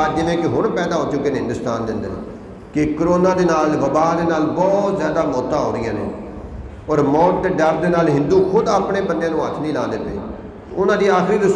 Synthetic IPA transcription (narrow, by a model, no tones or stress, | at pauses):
d͡ʒɪʋẽːkɪɦʊɳpɛːd̪aːɦoːt͡ʃʊkeːnɦɪ̃nd̪ʊst̪aːnd̪ɪnd̪ən̰ː | kɪkəɾoːnãːd̪eːnaːlʋəbaːd̪eːnaːlbɔːt̪zjaːd̪aːmɔːt̪ãːɦoːɾɪjãːnḛ̃ː | ɔːɾmɔːʈːɖəɾd̪eːnaːlɦɪ̃nd̪uːkʰʊd̪aːpɳeːbənjãːnũːət̪ʰnĩːlãːd̪ɪt̪ḛː | ʊnãːd̪iːaːxʰɾiːd̪ʊs